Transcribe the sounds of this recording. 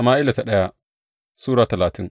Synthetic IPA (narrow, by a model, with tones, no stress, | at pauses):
a˨maː˦ʔɪ˦la˨ta˨ɗɐ˦ja˦ | suː˦ɽaː˨tɐ˨laː˨tɪ˦ŋ